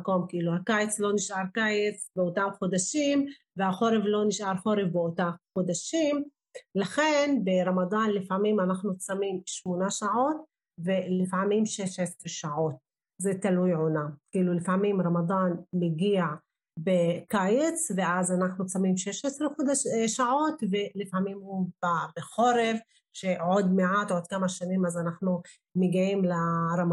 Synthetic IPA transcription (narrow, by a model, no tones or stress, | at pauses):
ko̞mkʔiluhakajet͡slo̞niʃʔaɾkajet͡sbeot̪amχod̪aʃim | vehaχoɾevlo̞niʃʔaɾħoɾevbeot̪avχod̪aʃim | laχenbeɾamad̪anlifʕamimanaχnut͡samimʃmonaʃaʕo̞t̪̚ | velifʕamimʃeʃesɾeʃaʕot̪̚ | zet̪alujʕonakiːlulifʕmimɾamad̪anmeɡiaʕ | bekajet͡sveʔazanaχnut͡samimʃeʃesɾeχod̪aʃʃaʕo̞t̪velifʕamimhubabeχoɾev | ʃeʕod̪meʕat̪ʕod̪̚kamaʃanimazanaχnu | meɡiʕimlaɾam